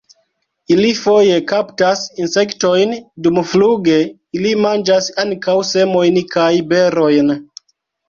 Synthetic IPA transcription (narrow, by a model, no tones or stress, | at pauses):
ilifo̞je̞kaptasinse̞kto̞jndumfluɡe̞ | ilimand͡ʒasaŋkawse̞mo̞jnkʰajbe̞ɾo̞jn